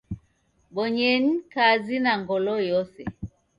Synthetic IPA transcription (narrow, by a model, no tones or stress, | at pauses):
ɓɔɲɛnikazinaŋɡɔlɔjɔsɛ̰